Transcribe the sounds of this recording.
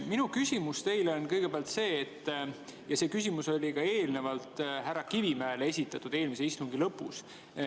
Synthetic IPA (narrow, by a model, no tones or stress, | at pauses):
minukysʲimust̪e̞jleonkɤjɡ̥e̞peæɑlt̪se̞ːt̪ː | jɑse̞ːkysʲimuso̞lʲikɑe̞ːlne̞vɑlt̪ˑɦæɾɑkivimæelee̞sʲit̪ːˑɑt̪ːud̪e̞ːlmis̬e̞ist̪uŋɡ̥ilɤpːˑus